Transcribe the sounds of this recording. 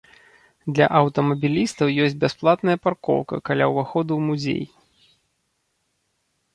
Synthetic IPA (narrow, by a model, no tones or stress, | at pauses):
d̪lʲɐ̰ʔɐwt̪ɐmɐbʲilʲist̪ɐwjɔt͡sʲbʲasplˠat̪nɐjɐparkɔ̰wkɐ̰kalʲa̰wvaxɔd̪umuzʲḛj